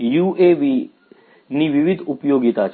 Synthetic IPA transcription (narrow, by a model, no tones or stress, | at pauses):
jueʋi | niʋiʋid̪ʱupjoɡit̪at͡ʃʰ